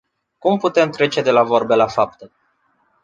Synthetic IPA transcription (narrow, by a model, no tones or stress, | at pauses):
kumput̪e̞mt̪ɾe̞t͡ʃe̞d̪e̞lavo̞rbelafap̚t̪ə